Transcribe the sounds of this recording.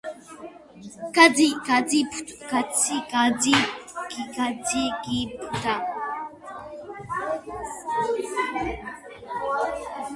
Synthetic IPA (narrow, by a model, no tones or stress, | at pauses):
kad͡zikad͡zipʰu̥tkat͡sikad͡zikikad͡zikiput̪a